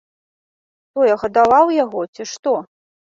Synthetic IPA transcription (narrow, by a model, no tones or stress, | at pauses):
t̪ɔjɛɣɐd̪avawjaɣɔt͡sʲiʂt̪ɔ